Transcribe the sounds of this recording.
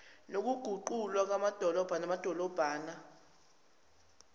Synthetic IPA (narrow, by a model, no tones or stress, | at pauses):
nok̬uɡ̥ʱuǃulwak̬amad̥ʱɔlɔb̥ʱanamad̥ʱɔlɔb̥ʱaːna